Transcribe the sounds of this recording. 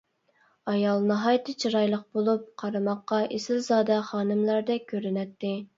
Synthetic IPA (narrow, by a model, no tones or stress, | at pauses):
ɑjɑlˠnɨɦɑjt̪ʰɨt͡ʃʰiɾɑjlˠəq̚bolˠup̚qʰɑɾɨmɑqːɑʔesɪlzɑːd̪ɛχɑːnɨmlˠɑɾd̪ɛkʲʰøɾynɛt̪ʰːɪ